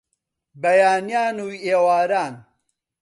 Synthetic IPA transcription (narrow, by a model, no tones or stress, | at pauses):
bɐjaːnijaːnuːeːwaːɾaːn